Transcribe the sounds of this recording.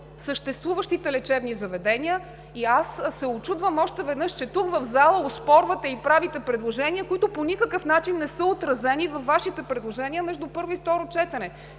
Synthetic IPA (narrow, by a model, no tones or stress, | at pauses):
səʃt̪ɛst̪vuvəʃt̪it̪ɛlɛt͡ʃɛbnizɐvɛd̪ɛniə | iassːɛot͡ʃud̪vəmɔʃt̪ɛvɛd̪nɤʃt͡ʃɛt̪ukvɐvzalˠəospɔɾvət̪ɛipɾavit̪ɛpɾɛd̪lˠoʒɛniəkoit̪ʊponʲikəkəfnat͡ʃinːɛsəot̪ɾɐzɛnivɐfːaʃit̪ɛpɾɛd̪lˠoʒɛniəmɛʒd̪upɤɾvoift̪ɔɾot͡ʃɛt̪ɛnɛ